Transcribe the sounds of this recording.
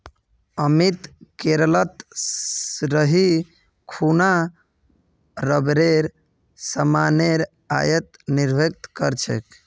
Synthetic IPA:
əmit̪keɾələt̪ | ɾəɦi | kʰuna | ɾəbɾeɾ | səmaneɾ | a̰jət̪niɾbʱek̚t̪kəɾt͡ʃʰḛk

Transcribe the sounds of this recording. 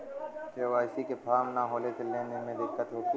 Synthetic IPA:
t͡ʃeʋaːsikepʰaːmnaɦoːleseleːnemẽd̪ɪkːət̪ɦoːki

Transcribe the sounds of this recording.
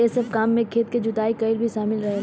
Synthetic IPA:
esɐb̚kaːmːẽkʰeːt̪̚ked͡ʒʊt̪aːikɐɪlbʱiʃaːmɪlɾɐɦe

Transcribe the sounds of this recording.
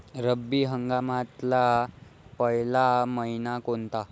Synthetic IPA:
ɾəbːiːɦəŋɡamat̪lapəɦlaməɦinakont̪a

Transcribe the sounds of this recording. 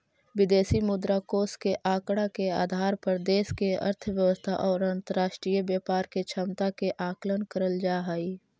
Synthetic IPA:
ʋɪd̪eːsimʊd̪ɾakoːskeʔaːkɽakeaːd̪ʱaːɾpəɾd̪eːskeə̰ɾt̪ʰʋjəʋəst̪ʰa̰ʔɔːɾə̃nt̪əɾaːʃʈɾijəbjaːpaːɾket͡ʃʰəmt̪akeʔaːklənkəɾəld͡ʒaːɦai

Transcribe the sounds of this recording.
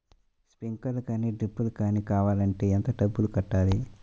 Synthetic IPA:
spiŋkɐlukaːniːɖɾipːulukaːnikaːʋaːlɐɳʈe̞ːent̪ɐɖɐbːulukɐʈːaːli

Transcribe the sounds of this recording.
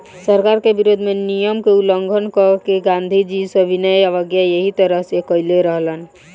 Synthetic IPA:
səɾkaɾkebiɾod̪ʱmenijəmkeuləŋɡʱənkəkeɡãnd̪ʱid͡ʒisəbʱinəjaʋəɡjajəɦit̪əɾəɦsekəɪleɾəɦlən

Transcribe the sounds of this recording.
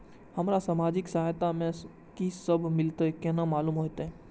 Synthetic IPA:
hɐmɾasamaːd͡ʒɪksɐɦajt̪amẽ | kisəbʱmɪlt̪aɛkɛnamaːluːmɦot̪aɦɛ̃ː

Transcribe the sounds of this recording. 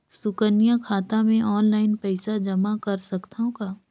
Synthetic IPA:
sʊkənijãkʰaːt̪amẽʔɔːnlaːɪnpɛɪsad͡ʒɐmakɐɾsɐkt̪aɦõkaː

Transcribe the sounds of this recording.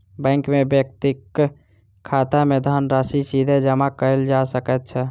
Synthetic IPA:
bɛ̃ŋkmebək̚t̪ikʰː | at̪amed̪ʱənɾasisid̪ʱed͡ʒəmakəɪld͡ʒasəkɛt̪̚t͡ʃʰɛ

